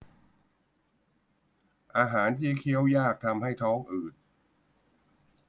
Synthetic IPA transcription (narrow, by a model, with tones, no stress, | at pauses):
ʔaː˧ɦaː˩˦nt̪ʰiː˥˩kʰi˦˥əwjaː˥˩k̚t̪ʰa˧mha˥˩jt̪ʰɔː˦˥ŋʔɯː˨˩t̪̚